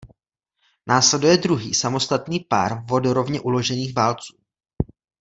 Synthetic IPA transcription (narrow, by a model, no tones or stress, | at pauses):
naːslɛdujɛd̪ɾuɦiːsamo̞st̪at̪niːpa̰ːɾvo̞duɾo̞vɲɛʔulo̞ʒɛniːxvaːlt͡suː